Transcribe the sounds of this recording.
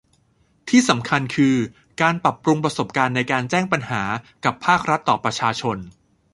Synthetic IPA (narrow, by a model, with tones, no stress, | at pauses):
t̪ʰiː˥˩sa˩˦mkʰa˧nkʰɯː˧ | kaː˧npɾa˨˩pːɾu˧ŋpɾa˧so˨˩p̚kaː˧nːa˧jkaː˧nt͡ɕɛː˥˩ŋpa˧nhaː˩˦ka˨˩pʰaː˥˩k̚ɾa˦˥t̪ːɔː˨˩pɾa˧t͡ɕʰaː˧t͡ɕʰo˧n